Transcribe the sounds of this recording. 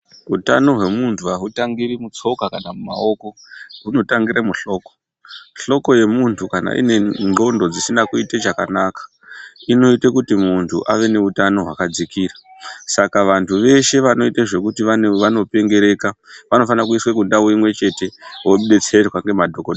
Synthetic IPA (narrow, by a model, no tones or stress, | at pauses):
utano̞ɦwe̞muntʰuaɦutaŋɡiɾimut͡so̞kakanamuma̰o̞ko̞ɦuno̞taŋɡiɾamuɬo̞ːko | ɬo̞ko̞je̞muntʰukana̰ʔḭne̞no̞ndo̞d͡zisinakuited͡ʒakanakḁ | ino̞itekutimuntʰuʔaʋe̞ne̞utano̞ɦwa̰kad͡zikiːra | sakaʋantʰuʋe̞ʃe̞ʋano̞iteʐe̞kutiʋaʋano̞pe̞ŋɡe̞ɾe̞ːkaʋano̞fanak̬uiswekundawimwe̞t͡ʃe̞te̞woɓuɗet͡se̞rwaŋɡe̞madʱokoɗ